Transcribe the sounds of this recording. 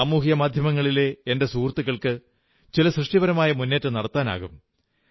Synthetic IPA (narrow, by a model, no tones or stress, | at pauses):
amuːɦijɐmaːd̪ʱjɐmɐŋːɐɭile̞ende̞suːrt̪ːuɣɐɭkɨ | t͡ɕilɐsrɨʂʈjibɐɾɐmaːjɐmunːe̞ːtːɨnɐɽɐt̪ːaːna̰ːɣum